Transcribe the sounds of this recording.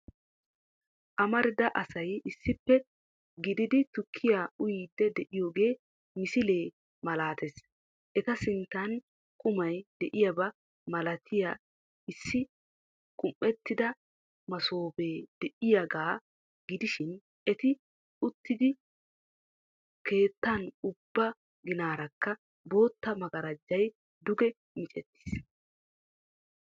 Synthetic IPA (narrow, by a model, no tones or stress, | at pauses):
ʔɐmɐɾɪd̪ɐʔɐsɐjɪsːɪpːɛ | ɡɪd̪ɪd̪ɪt̪ʊkʰːɪjaːʊjiːd̪ːɛd̪ɛʔɪjo̞ːɡe̞ː | mɪsɪle̞ː | mɐlaːt̪es | ʔɛt̪ɐsɪnt̪ːɐn | kʼʊmɐjd̪̥ɛʔɪjɐbɐ | mɐlɐt̪ʰɪja | ɪsːɪ | kʼʊmʔɛt̪ːɪd̪ɐ | mɐso̞ːbe̞ːd̪̥ɛʔɪjɐɡaː | ɡɪd̪ɪʃɪn | ʔɛt̪ɪ | ʊt̪ːɪd̪ɪ | ke̞ːt̪ːɐnʊbːɐ | ɡɪnaːɾɐkːɐ | bo̞ːt̪ːɐmɐɡɐɾɐd͡ʒːɐj | d̪ʊɡɛ | mɪt͡ʃʼɛ̰t̪ːɪ̥s